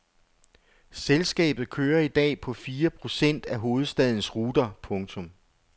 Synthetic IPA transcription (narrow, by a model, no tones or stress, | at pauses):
selsɡ̥ɛ̰ːb̥ð̩ˠkʰøːɐid̥ɛ̰ːpʰɒ̽fiːɐpʰʁo̝sen̰d̥æɦo̝ːð̞̩ˠsd̥ɛð̞ˠn̩sʁuːd̥ɐpʰɔ̽ŋt͡sʰɔ̽m